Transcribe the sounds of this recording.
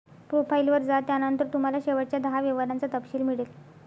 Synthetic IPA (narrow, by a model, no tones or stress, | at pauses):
pɾofailʋəɾd͡zat̪janənt̪əɾt̪um̤alaɕeʋəɽt͡ɕjad̪əɦaʋeʋəɾant͡sat̪əpɕiːlmiɭel